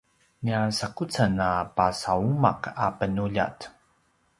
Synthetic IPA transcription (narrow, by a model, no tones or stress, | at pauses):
niasakut͡sanapasauma̰qapənuʎa̰t